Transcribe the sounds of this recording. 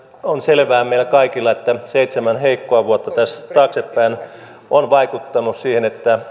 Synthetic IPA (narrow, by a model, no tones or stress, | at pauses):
onselʋæːmeilkɑikilːɑet̪ːæseit̪semænheikːoɑʋuot̪ːɑt̪æst̪ɑːksepːæin | ʔonʋɑikut̪ːɑnussiːhenet̪ːæ